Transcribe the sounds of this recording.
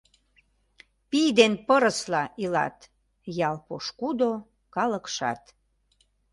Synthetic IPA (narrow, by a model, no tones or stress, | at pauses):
pijd̪enpəɾəslɑʔilɑ̰t̪ | jɑlpoʃkud̪o | kɑlə̆kʃɑ̰t̪